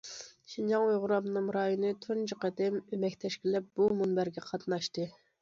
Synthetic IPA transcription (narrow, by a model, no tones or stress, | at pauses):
ʃind͡ʒɑŋojʁʊɾɑmnɨŋɾɑːjunɨt̪ʰunt͡ʃəqɛd̪ɪmømɛkʲt̪ʰɛʃkʲilɛp̚b̥umunbæɾɡʲɛqʰɑt̪nɑʃt̪ɨ